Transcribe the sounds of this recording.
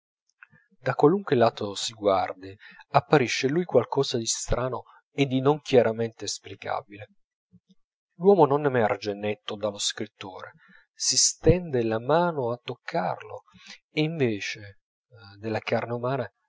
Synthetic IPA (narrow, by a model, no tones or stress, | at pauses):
d̪akwaluŋkwelaːt̪osiɡward̪iapːaɾiʃːelujkwalkɔːzad̪ist̪ɾaːno | ed̪ːinoŋkjaɾament̪eːsplika̰ːbile | lwɔːmononemɛrd͡ʒenɛt̪ːod̪aloskɾit̪ːoːɾe | sist̪ɛnd̪elamaːnoat̪ːokʰːa̰rlo̰ | eiɱveːt͡ʃe | d̪elːakarneumaːna